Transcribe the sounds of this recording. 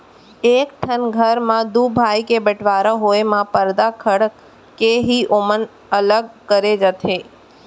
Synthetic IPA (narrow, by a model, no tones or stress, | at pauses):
ekʈʰənɡʱəɾmãd̪ubʱajkebəʈʋaɾəɦoemãpəɾd̪akʰəɽ | keɦiʔomən | ələɡkəɾed͡ʒət̪ʰe